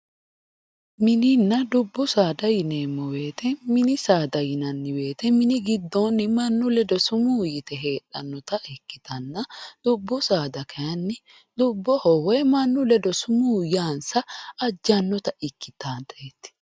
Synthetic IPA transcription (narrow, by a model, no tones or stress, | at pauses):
mɪnɪnːɐd̪ʊbːʊsaːd̪ɐjɪne̞ːmːɔwe̞ːt̪ɛmɪnɪsaːd̪ɐjɪnɐnːɪwe̞ːt̪ɛmɪnɪɡɪd̪ːɔnːɪmɐnːʊlɛd̪ɔsʊmuːjɪt̪ɛɦe̞ːᶑɐnːɔt̪ɐɪkːɪ̥t̪ɐnːɐd̪̥ʊbːʊsaːd̪ɐkʰɐjɐnːɪ | d̪ʊbːɔhɔwɛmɐnːʊlɛd̪ɔsʊmuːjaːnsɐːd͡ʒːɐnːɔt̪ɐɪkːɪt̪aːnt̪eːt̪ːɪ̥